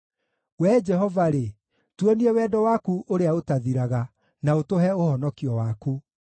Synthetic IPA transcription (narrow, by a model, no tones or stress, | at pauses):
wɛd͡ʒɛɦɔvaɾe | tweniɛwɛdɔwakuʔoɾeaotaðiɾaɣa | naotoɦɛohɔnɔkiɔwaku